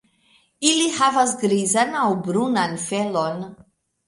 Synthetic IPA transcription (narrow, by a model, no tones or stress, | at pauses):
ilihavasɡɾizanawbɾunanfelon